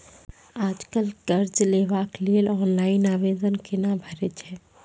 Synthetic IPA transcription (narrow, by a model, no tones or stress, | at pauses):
aːd͡ʒkəlɡ̥ɐɾd͡ʒleːʋaːkliəlɔːnlaːɪnaːʋeːd̪ənkɪnabʱɐɾɪt͡ʃɦɛː